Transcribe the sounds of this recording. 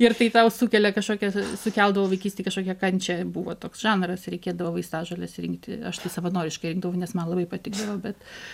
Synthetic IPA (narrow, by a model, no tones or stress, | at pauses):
ɪrt̪ɐɪt̪ɐʊsukʲɛlʲɛkɐʃkoːkʲɛsʊkʲɛlˠd̪ɐʋoːʋɐɪkʲiːsʲtʲeːkɐʃkoːkʲɛkɐnʲt͡ʃʲɛbuːʋoːt̪oːksʒɑːnrɐsɾʲɛɪkʲeːd̪ɐʋoːʋɐɪst̪ɑːʒɐːlʲɛsʲɪɾʲɪ̰ŋk̚t̪ʲɪ̰ɐ̰ʃt̪ɐɪsɐʋɐnoːɾʲɪʃkɐɪɾɪŋɡd̪ɐʋɐʊnʲɛsmɐnlˠɐbɐɪpɐt̪ʲɪɡd̪ɐʋoːbʲɛt̪